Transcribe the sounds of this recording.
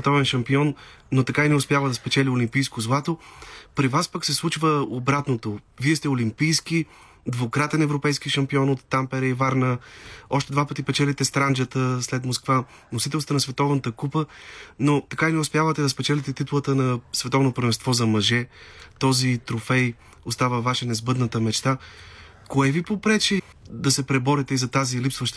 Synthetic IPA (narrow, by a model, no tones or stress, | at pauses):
sɛt̪ɔvɛnʃɐmpiɔnː | ot̪ɐkainɛʊspjavəd̪ɐspɛt͡ʃɛlʲiʊlimpijskozlˠat̪opɾivaspaksɛslˠut͡ʃvəobɾat̪not̪oviɛst̪ɛolimpijski | d̪vokɾat̪ɛnɛvɾopɛjsk̟iʃɐmpiɔnot̪ːampɛɾəivaɾnəɔʃt̪ɛd̪vapət̪ipɛt͡ʃɛlit̪ɛst̪ɾand͡ʒət̪əslɛt̪moskva | nosit̪ɛlˠst̪ənɐsvɛt̪ɔvnət̪əkupənot̪ɐkainɛʊspjavət̪ɛd̪ɐspɛt͡ʃɛlʲɛt̪ɛt̪it̪ulˠət̪ənɐsvɛt̪ɔvnopɾvɛmst̪vɔzɐmɐʒɛt̪ɔzit̪ɾofɛj | ost̪avəvaʃɛnɛzbɤd̪nət̪əmɛt͡ʃt̪a | koɛvipopɾɛt͡ʃɛ | d̪ɐsɛpɾɛbɔɾit̪ɛizɐt̪azilipsvəʃt̪